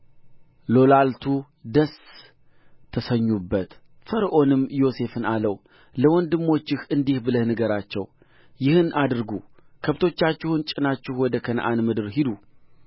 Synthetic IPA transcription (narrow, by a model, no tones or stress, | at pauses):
lo̞lalt̪ʰu | d̪əs | t̪ʰəsəɲːubːət̪ | fəɾʔo̞nɨmːjo̞se̞fɨnaləw | ləwɔnd̪ɨmːo̞t͡ʃːɪhʔɨnd̪ihbɨləhnɨɡəɾat͡ʃːɛ̰w | jɪhɨnʔad̪ɨɾɡu | kʰəβt̪ʰo̞t͡ʃːat͡ʃːɪhɨnt͡ʃʼɪnat͡ʃːɪhwɔd̪əkʰən̰ʔa̰nmɨd̪ɨɾɦid̪u